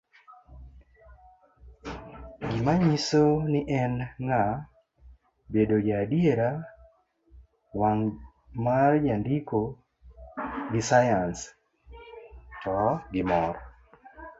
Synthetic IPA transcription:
ɡimaɲisonɪʔɛnŋa | bedod͡ʒaːdjeɾa | waŋ | mard͡ʒandiko | ɡɪsajans | tɔɡɪmɔɾɔ

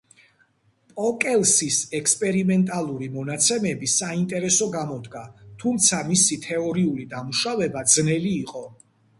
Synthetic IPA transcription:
pʼɔkʼɛlˠsisɛkspʼɛɾimɛnt̪ʼalˠuɾimɔnat̪sʰɛmɛbisaint̪ʼɛɾɛsɔɡamɔd̪ɡat̪ʰumt̪sʰamisit̪ʰɛɔɾiulid̪amuʃavɛbad̪z̥nɛliːqʼɔ

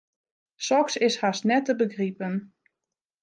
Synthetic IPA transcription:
sɔksɪshasnɛtəbəɡripən

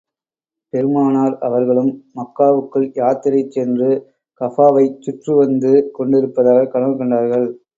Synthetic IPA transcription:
pɛɾɯmaːnaːɾɐʋɐɾɣɐɭɯmːɐkːaːʋɯkːɯɭjaːɾt̪ɪɾɐɪt͡ʃːɛndrɯ | kɐfaːʋɐɪt͡ʃːʊʈrɯʋɐnd̪ɯkɔɳɖɪɾɯpːɐðaːɣɐkɐɽɐmkɔɳɖaːɾɣɐɭ

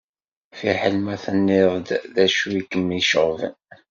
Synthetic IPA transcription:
fiħəlmæθənːɪðˤd̪ðæʃuwikəmːiʃəʁvə̰n

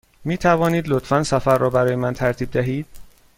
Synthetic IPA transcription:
miːt̪ʰævɒːniːd̪lot̪ʰfænsæfæɾːɒːbæɾɒːjemænt̪ʰæɾt̪ʰiːb̚d̪æɦiːd̪̥̚

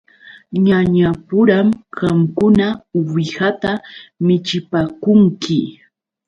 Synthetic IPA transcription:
ɲaɲapʊɾamɢɑmkʊnawɪhat̪amɪt͡ʃɪpaːkʊŋkɪ

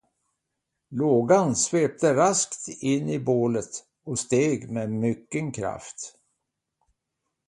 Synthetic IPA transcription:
loːɡansveːp̚t̪əɾaskt̪ɪnːɪboːlət̪ | ɔst̪eːɡmemʏkːənkʰɾa̰ft̪

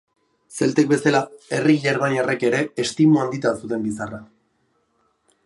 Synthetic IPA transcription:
se̞lt̪ek̚be̞salae̞riiʎaɾβanereke̞ɾe̞ːst̪imuand̪it̪asut̪e̞mbisara

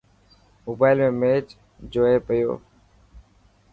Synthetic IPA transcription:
moːbaːɪlmẽːmeːt͡ʃ | d͡ʒoːeːpəjo̰ː

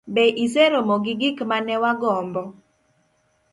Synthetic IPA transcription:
beʔiseɾomɔɡɪɡikmanɛwaɡɔmbɔ

